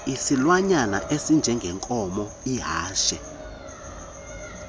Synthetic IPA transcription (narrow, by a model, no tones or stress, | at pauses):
isilwaɲana̰ʔesind͡ʒʱɛŋɡʱɛŋkʼɔmɔ | iɦaːʃɛ